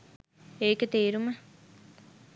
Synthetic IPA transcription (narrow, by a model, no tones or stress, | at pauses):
eːkət̪eːɾumə